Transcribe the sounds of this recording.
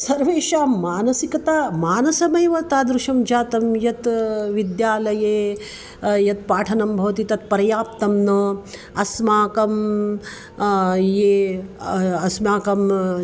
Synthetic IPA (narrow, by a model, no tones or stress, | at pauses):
sɐɾʋeːʃaːmaːnɐsikɐt̪aːmaːnɐsɐmɐjʋɐt̪aːd̪ɾuʃɐmd͡ʒaːt̪ɐmjɐt̪ʋid̪jaːlɐjeː | jɐt̪paːʈʰɐnɐmbʱɐʋɐt̪it̪ɐt̪̚pɐɾɐjaːp̚t̪ɐmnɐ | ɐsmaːkɐm | jeː | ɐsmaːkɐm